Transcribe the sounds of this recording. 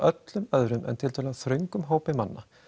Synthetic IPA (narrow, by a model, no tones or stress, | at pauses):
ʔœt̪lʏmœðɾʏmʔɛ̰nt̪ʰɪlt̪ʰœːlaðθɾʏŋkʏmɦoːwpɪmanːa